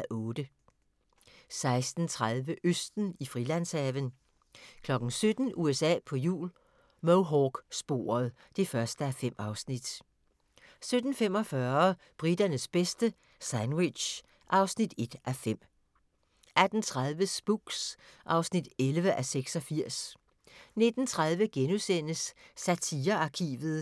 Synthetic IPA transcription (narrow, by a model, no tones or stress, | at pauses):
æʔɔ̽ːd̥ə | sɑ̈ɪsd̥n̩t͡sʰʁaðˠʋəʔøsd̥n̩ifʁilæn̰sɛʋən | kʰlɒ̽ɡ̥n̩sød̥n̩ʔuesɛ̰ːpʰɒ̽jṵːl | moʊɦɒɡ̥sb̥o̝̰ːɐð̩ˠ | d̥e̝fɶɐsd̥əæfem̰ɑ̈ʊsnid̥ | sød̥n̩fem̰ɒ̽fɶɐ | b̥ʁid̥ɐnəsb̥esd̥ə | sænwe̥ɕ | ʔɑ̈ʊsnid̥e̝d̥ʔæfem̰ | ʔæd̥n̩t͡sʰʁaðˠʋəsb̥uɡ̥sʔɑ̈ʊsnid̥elʋəʔæseɡ̥sɒ̽fiɐ̰s | ne̝d̥n̩t͡sʰʁað̞ˠʋəɡ̥enusen̰əsːæt͡sʰiːɐɑ̈kʰḭːʋð̞̩ˠ